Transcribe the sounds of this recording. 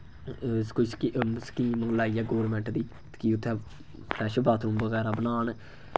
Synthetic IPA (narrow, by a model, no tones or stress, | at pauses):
skoiskisə̥kiːmũːlaːijaːɡoːɾmɛ̃ːɳʈd̪iː | kiʊt̪ʰːɛː | pʰɾɛːʃbaːt̪ʰnũːbəɣɛːɾaːbənaːn